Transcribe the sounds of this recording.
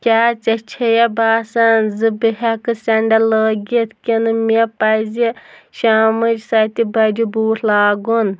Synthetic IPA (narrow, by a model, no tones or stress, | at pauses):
kʲaːt͡sɐt͡ʃʰejɐbaːsɐnzɨbɨɦɐkɨsʲɐɳɖɐləːɡʲit̪kʲinɨmʲepɐziʃaːmɨd͡ʒsɐt̪ibɐd͡ʒibuːt̪ʰlaːɡun